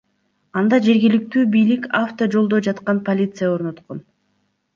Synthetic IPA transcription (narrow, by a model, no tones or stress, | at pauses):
ɑnd̪ɑd͡ʒe̞ɾɡilik̚t̪yːbijlikaft̪od͡ʒo̞lˠd̪od͡ʒɑt̪qɑnpolʲit̪sɨjao̞ɾno̞t̪qo̞n